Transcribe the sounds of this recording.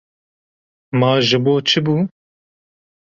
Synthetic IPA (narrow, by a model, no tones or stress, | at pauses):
mɑːʒɨboːt͡ʃʰɨbuː